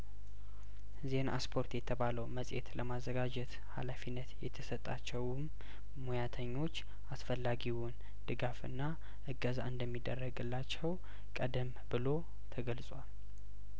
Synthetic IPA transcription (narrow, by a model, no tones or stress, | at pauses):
zena̰spʰo̞ɾt̪jɛt̪ʰəβaləwməsʼjḛt̪ləmazːəɡad͡ʒɛt̪ | halafinːət̪jɛt̪ʰəsət̪ʼːat͡ʃːɛwmː | ojat̪ʰəɲːo̞t͡ʃː | asfəlːaɡiwʊn | d̪̥ɨɡafɨ̰nːa | ʔɨɡəzaɨnd̪əmːid̪ːərːəɡɨlːat͡ʃːɛw | kʼəd̪əm | bɨlo̞ | t̪ʰəɡəlsʼwal